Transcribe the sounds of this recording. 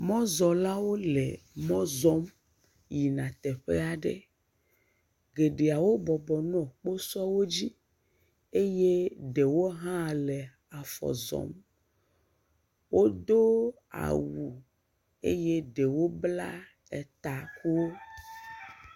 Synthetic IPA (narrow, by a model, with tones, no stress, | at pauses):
mɔ̃˦zɔ˨la˦wo˦lɛ˨mɔ̃˦zɔ˦m | ji˨nã˨t̪ɛ˨ɸe˦a˨ɖḛ˦ | ɡe˨ɖe˨a˨wo˦bɔ˨bɔ˨nɔ̃˨k͡po˦sɔ˦wo˦d͡ʑi˦ | e˦je˦ɖe˨wo˦ɦã˦˨lɛ˨ | a˨fɔ̰˨zɔ̰˨m | wo˦d̪o˦ | a̰˨wu˨ | ḛ˦je˦ɖe˨wo˦bla˦ | ɛ˨t̪a˨ku˦wo˦